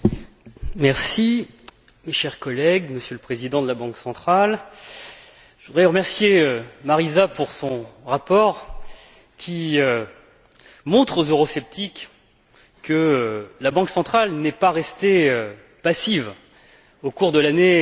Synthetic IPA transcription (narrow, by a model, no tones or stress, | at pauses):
mɛʁsi | meʃɛʁkɔlɛɡməsjøləpχezid̪ɑ̃d̪əlabɑ̃ksɑ̃t̪χal | ʒəvud̪ʁɛʁəmɛʁsjeømaʁizapuʁsɔ̃ʁapɔʁ | kʲʰiø | mɔ̃t̪χozøʁɔsɛp̚t̪ʰikː | əølabɑ̃ksɑ̃t̪χalnɛpaʁɛst̪eø | pasiv | okuʁd̪əlane